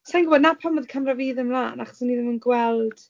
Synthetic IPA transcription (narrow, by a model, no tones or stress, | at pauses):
sanɡʊbɔdnapʰanmɔðkʰamraviːðəmlˠaːnaχɔsənːiðɪmənɡwɛlˠd̥